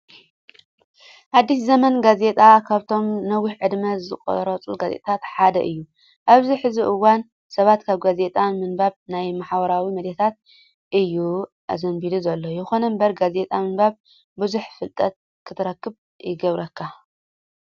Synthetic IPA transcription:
had̪ːiszɐmɐnɡaze̞t̪ʼakʰaβt̪ʰo̞mnɐwiʕɨd̪mɐzɨkʼo̰ɾɐt͡sʼuɡazḛt̪ʼɐt̪ʰat̪ħad̪ɐ̰ʔɨjːu | ʔaβziħɨziʔɨwan | sɐβat̪kʰaβɡaze̞t̪ʼanmɨnbaβnajmaħbɐɾawimɐd̪et̪ʰat̪̚ | ʔɨjːu | ʔa̰zɐnbid̪uzɐlːojɪxo̞nɐmbɐɾɡaze̞t̪ʼamɨnbaβ | bɨzuħfɨlt̪ʼɐt̪̚ | kʰɨt̪ʰɨɾɐkːɨβ | jɪɡɐβɾɐkʰːa

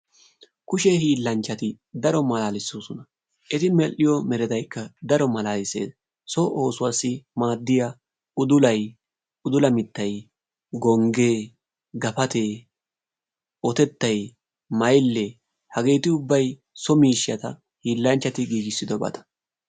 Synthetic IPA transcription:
kʊʃɛhiːlːɐnt͡ʃːɐt̪ɪ | d̪ɐɾɔmɐlaːlɪsːoːsʊnɐ | ʔɛt̪ɪmɛlːɪjɔmɛɾɛd̪ɐjkːɐd̪ɐɾɔmɐlaːlɪsḛːd̪ | sɔʔo̞ːsʊwasːɪmaːd̪ːɪjɐ | ʊd̪ʊlɐj | ʊd̪ʊlɐmɪt̪ːɐj | ɡɔŋɡe̞ː | ɡɐfɐt̪eː | ʔɔt̪ɛt̪ːɐj | mɐjlːɛ | hɐɡe̞ːt̪ɪʊbːɐj | sɔmiːʃːɪjɐt̪ɐ̰ | hiːlːɐnt͡ʃːɐt̪ɪɡiːɡɪsːɪd̪ɔbɐ̰t̪ɐ̥

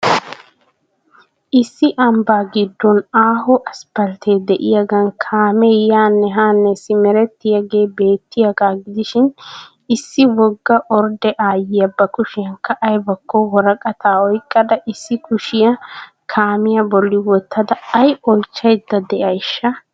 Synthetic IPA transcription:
ʔɪsːɪʔɐmbaːɡɪd̪ːɔnaːhɔʔɐspɐlt̪eːd̪ɛʔɪjaɡɐnkʰaːmɛjaːnːɛɦaːnːɛsɪmɛɾɛt̪ːɪjɐɡe̞ːbe̞ːt̪ːɪjɐɡaːɡɪd̪ɪʃɪn | ɪsːɪwɔɡːɐʔɔɾd̪ɛʔaːjɪjɐbːɐkʊʃɪjɐŋkːɐʔɐjbɐkʰːɔwɔɾɐkʼɐt̪ʰaːɔjkʼːɐd̪ɐʔɪsːɪkʊʃɪjɐ | kʰaːmɪjɐbɔlːɪwɔt̪ːɐd̪ɐːjɔlt͡ʃːɐjd̪ːɐd̪ɛʔɐjʃːɐ

